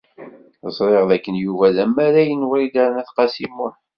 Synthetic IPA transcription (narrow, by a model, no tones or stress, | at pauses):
əzˤɾˤeʁðækːənjuvæðæmːæɾæjənwɾid̪æɾnæθqɑsimʊħ